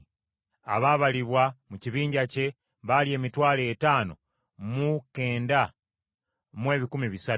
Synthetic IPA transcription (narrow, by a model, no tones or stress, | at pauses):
a̰βaːβaliβwamuciβiːɲɟace̞ | βalie̞ːmitwaːleːtaːno̞̰ | muke̞ːnda | mwe̞ːβikumiβisa